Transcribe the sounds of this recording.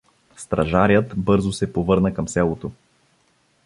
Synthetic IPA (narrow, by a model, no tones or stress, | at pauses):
st̪ɾɐʒaɾjət̪bɤɾzosɛpovɤɾnəkəmsɛlˠot̪o